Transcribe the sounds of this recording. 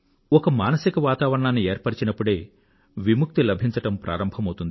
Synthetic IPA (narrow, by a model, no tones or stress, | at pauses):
ɔkɐmaːnɐsikɐʋaːt̪aːʋɐɾɐɳaːnːieːɾpɐɾt͡ʃinɐpːuɽe̞ː | ʋimuk̚t̪ilɐbʱiɲt͡ʃɐʈɐmpɾa̰ːɾɐmbʱɐmɐwt̪und̪